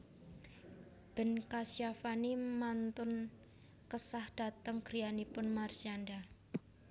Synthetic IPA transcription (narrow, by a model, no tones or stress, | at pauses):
b̥ə̤nkasiafanimant̪ʊn | kəsahd̥a̤t̪əŋɡ̥ɾijanipʊnmarsianda